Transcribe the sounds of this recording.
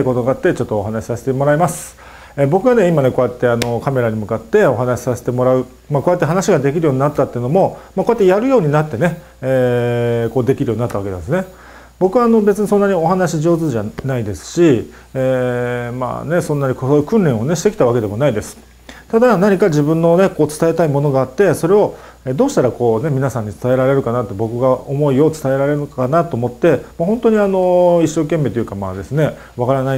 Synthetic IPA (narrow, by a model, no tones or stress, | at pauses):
ko̞t̪oɡaat̪ːe̞t͡ɕo̞t̪ːoːɦanaɕi̥sase̥t̪emo̞ɾaimasɨ̥ | eːbo̞kɯɡane̞imane̞ko̞ːjat̪ːe̞ano̞kame̞ɾaɲ̟imɯ̟kat̪ːe̞o̞ɦanaɕi̥sase̞̥t̪e̞mo̞ɾaɯ̟ | mako̞ːjat̪ːeɦanaɕiɡad̪e̞k̬ʲiɾɯjo̞ːɲ̟inat̪ːat̪ːeiɯ̟no̞mo̞mako̞jat̪ːejaɾɯ̟jo̞ːɲ̟inat̪ːe̞ne̞ | eːko̞ːd̪e̞kʲiɾɯjo̞ːɲinat̪ːaβake̞nã̰nd̪esne̞ | bo̞kɯβaːno̞be̞t͡sɨɲisõ̞nːaɲ̟io̞ɦanaɕiʑo̞ːzɨʑanaid̪e̞sɨ̥ɕiː | ma̰ːne̞sõ̞nːaɲ̟ikookɯ̟̃nɾẽ̞ɰ̃o̞neɕi̥t̪e̞kʲi̥t̪aβake̞d̪e̞mo̞naid̪e̞sɨ̥ | t̪ad̪anaɲ̟ikaʑibɯ̟̃nːo̞ne̞ko̞ːt͡sɨ̥t̪ae̞t̪aimo̞no̞ɡaːt̪ːe̞so̞ɾe̞o̞ | ed̪o̞ːɕi̥t̪aɾako̞ːne̞mʲinasãɲ̟ːit͡sɨ̥t̪ae̞ɾaɾe̞ɾɯ̟kanat̪ːobo̞kɯ̟ɡaomo̞io̞t͡sɨ̥t̪ae̞ɾaɾe̞ɾɯkkanat̪o̞ːmo̞t̪ːe̞maɦõ̞nt̪o̞ɲ̟iano̞iɕːo̞ːkẽ̞mːe̞ːt̪ojɯ̟kama̰ːd̪e̞sɨne̞ | βakaɾana